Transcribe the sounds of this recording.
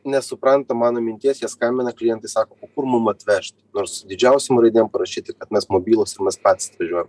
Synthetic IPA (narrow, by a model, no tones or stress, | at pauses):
nʲɛsʊpɾɑnt̪ɐmɑːnoːmʲɪnʲt̪ʲiɛsʲjɛskɐmʲbʲɪnɐklʲɪjɛnt̪ɐɪsɑːkoːpokʊɾmʊmɐt̪ʲʋʲɛʃʲt̪ʲnoːɾsd̪ʲɪd͡ʒʲɛʊsʲɪmɾɐɪd̪ʲiːɛmpɐɾɐʃʲiːt̪ʲɪkɐt̪mʲɛsmɔbʲiːlˠosɪɾmʲɛspɑːt̪ʲsɐt̪ʋɐʒʲuɔjɛm